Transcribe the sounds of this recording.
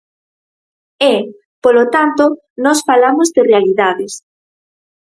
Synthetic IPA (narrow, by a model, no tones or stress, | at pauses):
ɛ | polot̪ant̪o | nɔsfalamozðɪrealiðaðɪs